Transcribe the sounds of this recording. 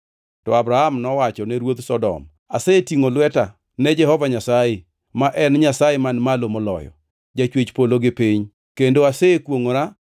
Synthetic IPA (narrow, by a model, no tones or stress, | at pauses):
tɔabɾahamnɔwat͡ʃɔnɛɾwot̪sɔdɔ̰m | asetiŋolʊwɛta | nɛd͡ʒɛhɔvaɲasaje | maʔɛnɲasajemanmalomɔlɔ̰jɔ̰ | d͡ʒat͡ʃwet͡ʃpoloɡɪpiɲ | kendoasekwoŋoɾa